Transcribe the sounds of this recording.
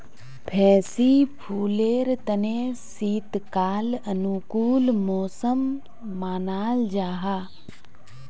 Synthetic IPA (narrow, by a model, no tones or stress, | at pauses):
pʰɛːsiːpʰuːleːɾt̪əneːsiːt̪kaːlənukuːlmɔːsəmː | aːnaːld͡ʒaːɦaː